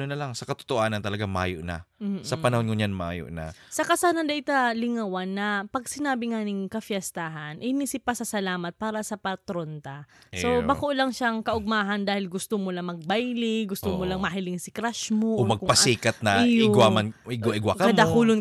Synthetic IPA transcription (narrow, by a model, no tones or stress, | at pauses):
nonɐlaŋsɐkɐt̪o̥t̪oʔaːnɐnt̪ɐlɐɡama̰ːjoʔna̰m̩sɐpɐnɐhonŋoɲanma̰ːjo̰ʔnɐ̰sɐkasaːnɐd̪ɐʔɪt̪alɪŋawanːɐpɐɡ̚sɪnaːbɪŋaːnɪŋkɐfjɛst̪aɦɐnʔɪniːsɪpːɐsɐsɐlaːmɐt̪̚paːɾɐsɐpɐt̪ɾont̪ɐsobakoʔlɐŋʃaŋkɐʔʊɡ̚naːɦɐnd̪aːhɪlɡʊst̪omolɐmɐɡ̚bajlɪɡʊst̪omolaŋmɐɦɪlɪŋsɪkɾaʃmoʔomɐɡ̚pɐsiːkɐt̪̚nɐɪwamanɪɡwaʔɪɡwakɐɐmd̪akuːlon